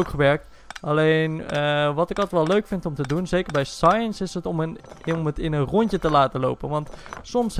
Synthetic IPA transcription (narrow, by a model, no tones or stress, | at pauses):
okχəʋɛrk̚t | aleːnəʋɔtɪkɔtəʋɛlˠøɥkfɪntɔmtədunseːkəɹbɛjsajənsɪsətɔmənmətɪnənrɔntjətəlaːtəlowpənʋɑntsɔms